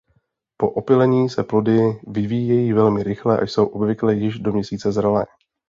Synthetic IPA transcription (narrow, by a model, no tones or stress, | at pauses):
po̞ʔopɪlɛɲiːsɛplo̞dɪvɪviːjɛjiːvɛlmɪɾɪxlɛʔa̰jso̞wʔo̞bvɪklɛjɪʒdo̞mɲɛsiːt͡sɛzɾalɛ̰ː